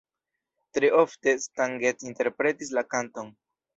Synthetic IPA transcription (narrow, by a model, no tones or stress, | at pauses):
tɾeʔofte̞staŋɡetinte̞ɾpɾe̞tis̬lakanto̞n